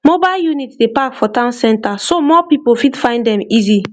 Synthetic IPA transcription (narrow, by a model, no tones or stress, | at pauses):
mobaɪljunitdepakfɔtãnsɛ̃ntasomɔpipofitfãɪ̃ndɛ̃mizi